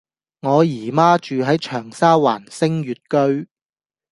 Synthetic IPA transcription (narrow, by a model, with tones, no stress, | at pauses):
ŋɔː˨˧jiː˨˩maː˥t͡ʃyː˨ɦɐ˨˥jt͡ʃʰœː˨˩ŋsaː˥wa̰ː˨˩nsɪ˥ŋjyː˨t̚kɵ˥ɥ